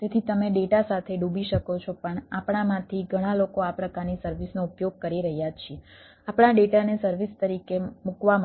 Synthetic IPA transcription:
t̪et̪ʰit̪əmeɖeʈasat̪ʰeɖũbiʃəkot͡ʃʰopəɳapɳ̃amãt̪ʰiɡʱəɽ̃alokoapɾəkaɾnisəɾʋisnoupjoɡ̚kəɾiɾəɦjat͡ʃʰie | apɳaɖeʈanesəɾʋist̪əɾikemukʋam

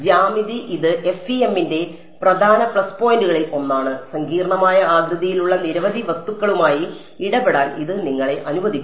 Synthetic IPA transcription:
d͡ʑaːmiðiʔiðɨʔe̞fiemːinde̞ | prɐd̪ʱaːnɐprɐspo̞ːjinduɣɐɭilo̞nːaːɳɨsɐŋɡiːɾɐɳɐmaːjɐaːɡ̪ɾɐðijiluɭːɐniɾɐʋɐd̪ʱiʋɐst̪ːukːɐɭumaːji | iɽɐbeɽaːniðɨniŋːɐɭe̞ʔɐnubɐd̪ikʲː

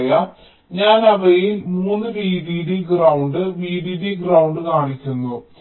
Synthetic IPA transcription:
jɐ | ɲaːnɐʋɐjilmuːnːɨʋiːðiɽiɡrɐwuɳɖɨʋiːðiɖiɡrɐwɳɖɨkaːɳikʲːunːu

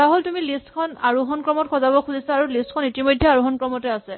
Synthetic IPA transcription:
taɦoltumilistkʰɔnaɹuɦɔnkɹɔmɔtkʰɔzabɔkʰuzisaaɹulistkʰɔnitimɔjdʱːɛaɹuɦɔnkɹɔmɔtɛasɛ

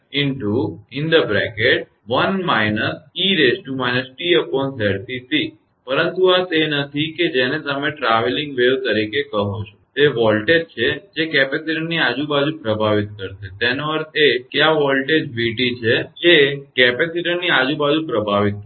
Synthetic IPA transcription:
ɪɳʈuɪnd̪əbɾɛ̰keʈ̚ | ʋənmajnəsiɾesʈumajnəsʈiəpɔnsɛɾt̪isi | pəɾənt̪uat̪enət̪ʰiked͡ʒenet̪əmeʈɾaʋeliŋɡʋeʋt̪əɾikekəɦot͡ʃʰo̥t̪eʋɔlʈed͡ʒt͡ʃʰed͡ʒekɛpesiɾənːiad͡ʒũbad͡ʒũpɾəbʱaʋit̪̚kəɾt̪et̪enoəɾt̪ʰekeaʋɔlʈed͡ʒbiʈit͡ʃʰed͡ʒekɛpesiɾənːiad͡ʒũbad͡ʒũpɾəbʱaʋit̪̚k

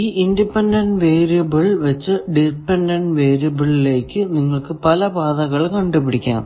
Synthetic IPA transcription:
iːʔindipːeɳɖɐɳɖʋeːɾijɐbɨɭʋɐt͡ɕːɨɖipːeɳɖɐɳɖʋeːɾijɐbɨɭile̞ːkːɨniŋːɐɭkɨpɐlɐbaːðɐɣɐɭkɐɳɖupːiɽikʲːa̰ːm

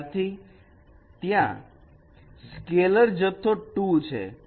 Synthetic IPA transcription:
t̪ʰi | t̪jã̰ | skeləɾd͡ʒət̪ʰːoʈut͡ʃʰḛ

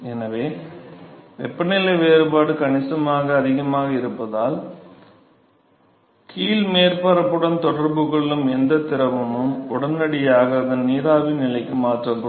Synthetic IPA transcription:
ɛnɐʋeː | ʋɛ̰pːɐnɪlɐʋeːɾɯbaːɽɯkɐɳɪsɐmaːɣɐːðɪɣɐmaːɣɐɪɾɯpːɐðaːl | kʰiːlmeːɾpɐɾɐpːɯɽɐnt̪ɔɽɐɾbɯɣɐɭɪlɯmɛnd̪ɐt̪ɪɾɐʋɯnɯmʊɽɐnɐɽɪjaːɣɐːðɐnniːɾaːʋinɪlɐɪkːɯmaːʈrɐpː

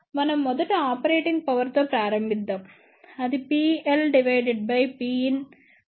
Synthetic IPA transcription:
mɐnɐmːɔd̪ɐʈːɐaːpɐɾeːʈiŋɡ̚pɐʋɐɾt̪oːpɾaːɾɐmbid̪ːɐm | ɐd̪ipiːelɖiʋɐjɖeɖ̚bɐjpiːin

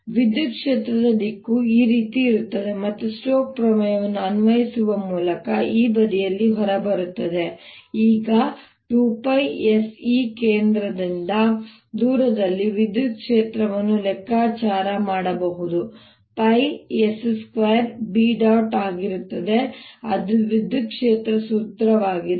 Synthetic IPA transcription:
ʋid̪jut̪̚kʂe̞ːt̪ɾɐd̪ɐd̪ikːuiːɾiːt̪iːɾut̪ːɐd̪e̞mɐt̪ːusʈoːk̚pɾɐmɐjɐʋɐnːuɐnʋɐjisuʋɐmuːlɐkɐiːbɐd̪ijɐlːiɦɔɾɐbɐɾut̪ːɐd̪e̞iːɡɐ | ʈuːpɐjesiːkeːnd̪ɾɐd̪ind̪ɐ | d̪uːɾɐd̪ɐlːiʋid̪ʱːukʂeːt̪ɾɐʋɐnːulɛkːaːt͡ʃaːɾɐmaːɽɐbɐɦud̪u | pɐjesskʋejɐɾbiːɖɐwʈaːɡiɾut̪ːɐd̪e̞ɐd̪uʋid̪ʱːukʂeːt̪ɾɐsuːt̪ɾɐʋaːɡid̪

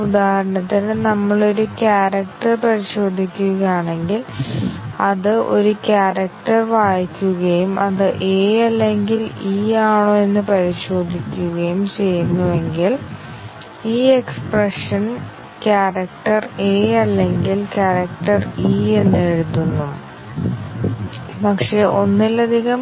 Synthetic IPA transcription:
ud̪aːhɐɾɐɳɐt̪ːinnɐmːɐɭo̞ɾukʲaːrɐk̚ʈɐrpɐɾiɕo̞ːd̪ʱikʲːuɣɐjaːɳe̞ŋɡil | ɐðɨʔo̞̰ɾukʲaːrɐkʈɐrʋaːjikʲːuɣɐjumʔɐðɨʔeːɐlːe̞ŋɡiliːaːɳoːe̞nːɨpɐɾiɕo̞ːd̪ʱikʲːuɣɐjumt͡ɕe̞jːunːuʋe̞ŋɡil | iːekspreʂɐn | kʲaːrɐkʈɐreːɐlːe̞ŋɡilkʲaːɾɐkʈɐriːe̞nːe̞ɻut̪ːunːu | pɐkʂe̞ːʔo̞nːilɐd̪ʱiɣɐm

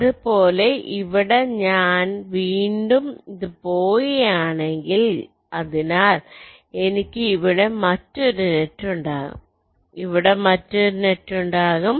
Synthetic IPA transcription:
ðupo̞ːle̞ʔiʋiɽe̞ɲaːnʋiːɳɖumiðɨpoːjijaːɳe̞ŋɡil | ɐðinaːl | e̞nikʲːɨiʋiɽe̞mɐtːoɾunetːuɳɖaːɣṵm | iʋiɽe̞mɐtːoɾunetːuɳɖaːɣum

